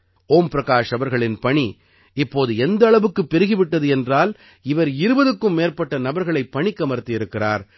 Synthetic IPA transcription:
oːmpɾɐɣaːʂɐʋɐɾɣɐɭɪnpɐɳi | ɪpːoːðɯɛnd̪ɐːɭɐʋɯkːɯpːɛɾɯɣɪʋɪʈːɐðɯɛndraːl | ɪʋɐɾɪɾɯbɐðɯkːɯmːeːɾpɐʈːɐnɐbɐɾɣɐɭɐɪpːɐɳɪkːɐmɐɾɯt̪ːɪjɪɾɯkːɪra̰ːɾ

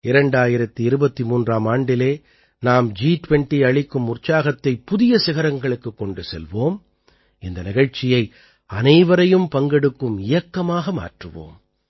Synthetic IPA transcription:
ɪɾɐɳɖaːjɪɾɐt̪ːɯɪɾɯbɐt̪ːimuːndraːmaːɳɖɪleː | naːmd͡ʒiːʈʋɛɳʈiɐɭɪkːɯmʊrt͡ʃaːɣɐt̪ːɐɪpːʊðɪjɐsɪɣɐɾɐŋɡɐɭɯkːɯkːɔɳɖɯsɛ̰lʋoːm | ɪnd̪ɐnɪɣɐɻt͡ʃːɪjɐɪ | ɐnɐɪʋɐɾɐjɯmpɐŋɡɛɽɯkːɯmɪjɐkːɐmaːɣɐma̰ːʈrɯʋo̰ːm

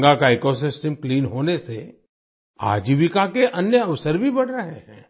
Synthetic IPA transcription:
ɡakaeːkosɪsʈəmkliːnɦoːnese | a̰ːd͡ʒiʋɪkakeʔɐnjəɐʋsəɾbʱibɐɽɾəɦeɦɛ̰̃ː

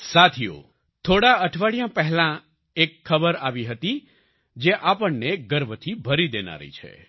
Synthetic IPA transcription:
sat̪ʰijo̰ | t̪ʰoɽaəʈʰʋaɽijãpəɦɛlã | ekʰːəbəɾaʋiɦət̪i | d͡ʒeʔapəɳneɡəɾbʱət̪ʰibʱəɾid̪ena̰ɾḭt͡ʃʰḛ

